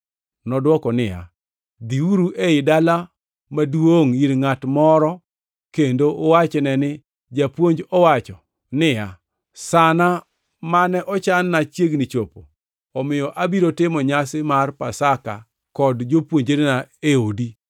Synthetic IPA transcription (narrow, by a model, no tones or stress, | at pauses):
nɔdwɔkɔnɪja̰ | d̪iuɾuʔeɪdala | madwoŋiɾŋatmɔɾɔ | kendoʔːwat͡ʃnɛnɪ | d͡ʒapwoɲd͡ʒɔwat͡ʃɔ | nɪja | sana | manɛʔɔt͡ʃanːat͡ʃjeɡnɪt͡ʃopo | ɔmɪjɔʔabiɾotɪmɔɲasɪmarpasaka̰ | kɔdd͡ʒopwoɲd͡ʒenenaeodi